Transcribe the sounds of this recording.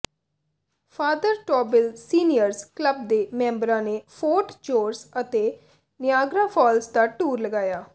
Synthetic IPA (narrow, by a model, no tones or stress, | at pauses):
fʰaːd̪əɾʈɔːbɪlsiːnɪjəɾzkləb̚d̪eːmɛ̃ːmbəɾãːneːfʰoːʈd͡ʒoːɾsət̪eː | nɪjaːɡɾãːpʰɔːlsd̪aːʈuːɾləɡaːjaː